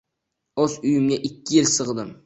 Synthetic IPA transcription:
ozʊjɪmɡʲaʔɪkʲʰːɪjɪlsɨʁd̪ɪm

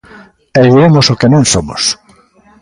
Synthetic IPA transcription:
eβiɾemosokenẽŋsomʊ̰s

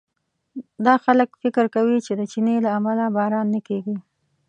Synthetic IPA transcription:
d̪ɑxaləkfɪkɾkawit͡ʃed̪ət͡ʃinelaːmalabɑɾɑnːəkeɡi

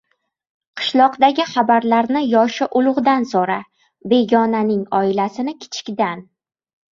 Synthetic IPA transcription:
qʰɨ̥ʃlˠɒqd̪aɡʲɪχabaɾlaɾnɪjɒʃɪʔʊlˠʊʁd̪ansoɾa | be̞ɡʲɒnanɪŋɒɪlasɪnɪkʲʰɪ̥t͡ʃʰɪ̥kʲd̪an

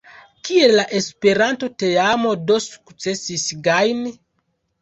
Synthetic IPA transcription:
kie̞laʔe̞spe̞ɾanto̞te̞amo̞do̞su̥kt͡se̞sisɡajni

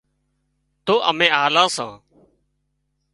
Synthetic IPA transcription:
t̪oːʔəmẽːaːlãːsãː

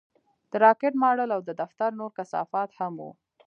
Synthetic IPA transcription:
d̪̥əɾɑkɪʈmɑɽəlawd̪əd̪aft̪aɾnoɾkasɑ̰fɑt̪hamṵ

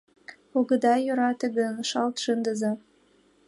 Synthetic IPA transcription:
oɣə̆d̪ɑjøɾɑt̪eɣənʃɑlt̪ʃənd̪əzɑ

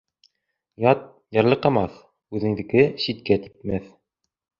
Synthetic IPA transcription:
jɑt̪̚ | jɑɾlˠɤqɑmɑθ | ʉðɘ̆ŋd̪ɘ̆kɘɕit̪̚kæt̪i̥p̚mæθ

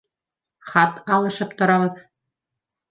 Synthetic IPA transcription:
χɑt̪ɑlˠɤ̆ʃɤ̆p̚t̪ŏɾɑβɤ̆z

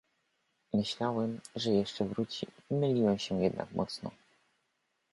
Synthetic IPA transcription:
mɘɕlawɛmʐɛjɛʂt͡ʂɛvɾut͡ɕimɘlʲiwɛmɕɛjɛd̪na̰kmʔɔt̪snɔ̰

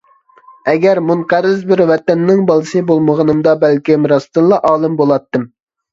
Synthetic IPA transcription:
ɛɡʲæɾmunqæɾɪzbɪɾwɛt̪ɛnːɪŋbɑlˠɨsɨbolˠməʁənɨmd̪ɑbælkʲimɾɑst̪ɨnlˠɑʔɑːlˠɨmbolˠɑt̪ːɨm

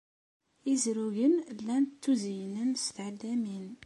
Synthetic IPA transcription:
izɾuʝənlːænt̪ːuzijnənst̪ʕəlːæmin

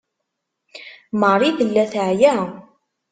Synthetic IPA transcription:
mərˤiðəlːæθəʕjæ

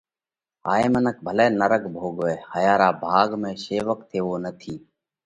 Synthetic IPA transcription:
aːeːmənək̚bʱəleːnəɾəkbʱoːɠʋeːhəjaːɾaːbʱaːɠmẽːʃeːʋək̚t̪ʰeːʋoːnət̪ʰiː

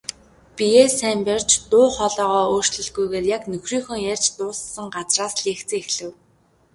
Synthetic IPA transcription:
pijeːsæmpʲer̥t͡ɕt̪ʊːχɔɮɔːʁɔːoːr̥t͡ɕɮɵ̆ɮɡujɣeːrjaknɵxriːŋxɵ̆ŋjær̥ʲt͡ɕt̪ʊːssə̆ŋɢat͡sraːsɮeːkt͡sɘ̆ŋexɮɘ̆w

